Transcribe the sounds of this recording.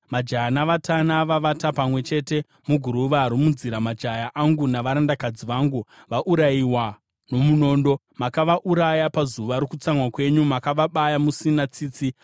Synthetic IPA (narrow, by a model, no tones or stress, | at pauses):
mad͡ʒanaʋatanaʋaʋatapamwe̞t͡ʃe̞te̞ | muɡʱuɾuʋaːɾimund͡ziɾamad͡ʒajaʔaŋɡunaʋaɾandakad͡ziʋaːŋɡu | ʋaʔuɾaiwa | no̞muno̞ːndo̞ | makaʋaʔuɾajapazuʋaɾokut͡samwakwe̞ɲumakaʋaɓajamusinat͡siːt͡si